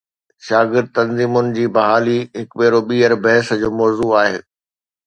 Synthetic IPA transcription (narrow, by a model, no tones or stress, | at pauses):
ʃaːɡɪɾd̪̚t̪ɐ̃nziːmʊnɪ̆d͡ʑiːbɐɦaːliɦɪkɓeːɾoɓiːəɾbɐɦɪsd͡ʑoːmɔːzuaːɦeː